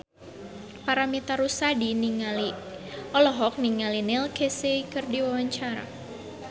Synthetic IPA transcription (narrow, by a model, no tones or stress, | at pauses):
paɾamit̪aɾusadiniŋaliɔlɔɦɔk̚niŋalinɪlkeseikɨrdiwawaɲt͡ʃaɾa̰